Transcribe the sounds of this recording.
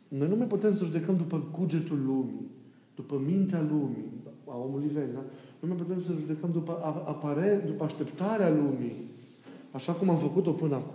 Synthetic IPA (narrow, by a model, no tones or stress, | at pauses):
no̞jnumajput̪e̞msəʒud̪e̞kəmd̪upəɡud͡ʒe̞t̪ulːumḭ | d̪̥upəmint̪ealumiao̞muluivend̪a | numajput̪e̞msəʒud̪e̞kəmd̪upəʔaapaɾed̪upəaʃt̪e̞pt̪aɾealumi | aʃakumamfəkut̪o̞pɨnəak